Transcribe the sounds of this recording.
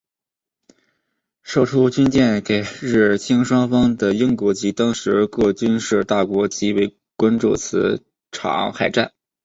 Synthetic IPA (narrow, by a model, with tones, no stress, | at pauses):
ʂo˥˩ʊʈ͡ʂʰu˥t͡ɕy˥nt͡ɕjɛ˥˩nke˨˩ɪɻɻ̩˥˩t͡ɕʰi˥ŋʂwɑ˥ŋfɑ˥ŋd̪ə˨˩ji˥ŋkwɔ˧˥t͡ɕi˧˥t̪ɑ˥ŋʂɻ̩˧˥kɤ˥˩t͡ɕy˥nʂɻ̩˥˧t̪a˥˩kwɔ˧˥t͡ɕi˧˥we˥˩ɪ | kwa˥nʈ͡ʂu˥˩t͡sʰɹ̩˧˥ | ʈ͡ʂʰɑ̰˨˩˦ŋxa˨˩ɪʈ͡ʂa˥˩n